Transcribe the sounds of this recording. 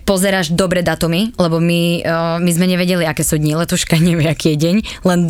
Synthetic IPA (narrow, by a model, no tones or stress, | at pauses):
pɔzɛɾaːʒd̪ɔbɾɛd̪at̪umilɛbɔmimizmɛɲɛʋɛɟɛliakɛːsuːɟ̪ɲilɛt̪uʃkaɲɛʋɪɛakiɛɟɛɲlɛn